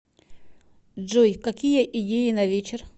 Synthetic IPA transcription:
ʐɔjkɐkʲijəʔidʲejɪnɐvʲet͡ɕɪr

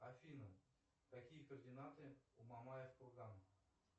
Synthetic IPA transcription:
afʲinə | t̪akʲijəkərdʲɪnat̪ɨumamajefkʊrɡ̪anə

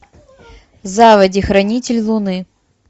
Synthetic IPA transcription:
zavɐdʲixɾɐnʲitʲɪlʲlˠʊnɨ

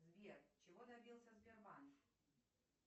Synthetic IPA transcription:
zvʲert͡ɕɪvod̪ɐbʲilˠsʲɐzbʲɪrman

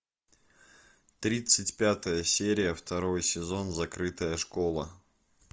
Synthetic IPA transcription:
t̪ɾʲit̪sɨtʲpʲat̪əjəsʲeɾʲɪjəft̪ɐɾo̞jsʲɪzo̞nzɐkɾɨt̪əjəʂko̞lˠə

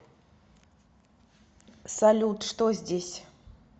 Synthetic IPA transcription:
sɐlʲut̪ʂt̪ozʲdʲesʲ

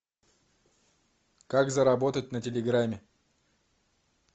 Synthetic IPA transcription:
kakzəɾɐbot̪ət̚ʲnətʲɪlʲɪɡɾamʲɪ

